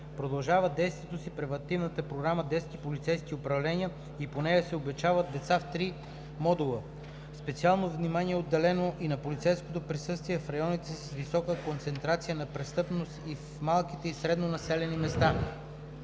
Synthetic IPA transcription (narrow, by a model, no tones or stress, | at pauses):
pɾod̪ɐlˠʒavəd̪ɛjst̪vʲiɛt̪osipɾɛvɐnt̪ivnət̪əpɾoɡɾaməd̪ɛskipolit̪sɛjskiopɾɐvlɛniə | iponɛjəsɛobɛt͡ʃavəd̪̚d̪ɛt̪saft̪ɾi | mɔd̪ulˠə | spɛt̪sialˠnovnimaniɛod̪ːɛlɛnoʔinɐpolit̪sɛjskot̪opɾisɤst̪viɛfɾɐjɔnit̪ɛsisvisɔkəkont̪sɛnt̪ɾat̪sijənɐpɾɛst̪ɤpnost̪if | malˠkit̪ɛisɾɛd̪nonɐsɛlɛnimɛst̪a